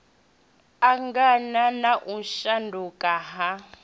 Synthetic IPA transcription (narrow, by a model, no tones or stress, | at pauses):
aŋɡananaʔuʃandʱukʼaɦa